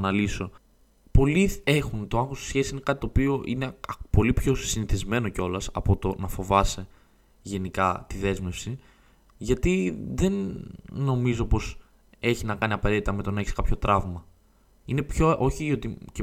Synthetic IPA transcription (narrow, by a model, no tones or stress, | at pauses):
nɐliso̞ | po̞lie̞xunt̪o̞ɐŋxost̪isçe̞sisine̞kɐt̪it̪opio̞ʔinepo̞lipço̞siniθizme̞no̞co̞lɐsɐ̰po̞t̪o̞nɐfo̞vɐse | ʝe̞nikɐt̪iðe̞zme̞fsi | ʝɐt̪iðe̞nː | o̞mizo̞po̞s | e̞çinɐkɐniɐpɐɾe̞t̪it̪ɐme̞t̪o̞nɐe̞çiskɐpço̞t̪ɾɐvmɐ | ine̞pçoʔo̞çiot̪ice